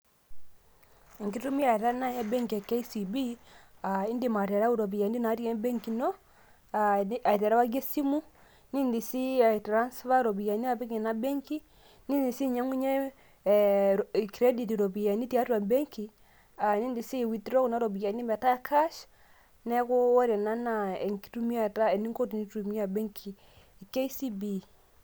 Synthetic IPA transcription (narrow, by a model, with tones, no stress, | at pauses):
ŋɡi˦tu˦mi˦a˨ɾa˦na˦jɛ˦bɛ˦ŋkɛ˨ke˦i˦si˨bi˦a˨i˦ndi˨ma˨ɾɛ˨ɾa˦u˦ɾo˨βi˨ja˨ndi˦na˨˦ɾi˦ɛ˦mbɛ˦ŋki˨nɔ˦ | a˨a˨i˨tɛ˨ɾa˦wa˦ɡje˦si˦mu˦ | ni˦ndi˨si˦a˨i˨tɾa˦nsβa˦ɾo˨βi˨ja˨ni˦a˦βi˦kɛ˨na˦bɛ˦ŋki˦ | ni˦ndi˨si˦˨ɲa˦ŋu˦ɲɛ˦˨ | ki˨ɾe˦di˨ti˨ɾo˨bi˨ja˨ni˦ti˨a˦tu˦a˨bɛ˦ŋki˨ | a˨ni˦ndi˨si˦˨wi˨tɾɔ˦ku˨na˦ɾo˨bi˨ja˨ni˦bɛ˨ta˦kʰa˦ʃ | nɛ˦ku˦wɔ˦ɾɛ˨na˦na˨ɛ˨ŋki̥˦tu˦mi˦a˦ta˦ɛ˨ni˦ŋko˦ti˨ni˦tu˨mi˦a˨bɛ˦ŋkʰi˨ | ke˦i˦si˦bi˦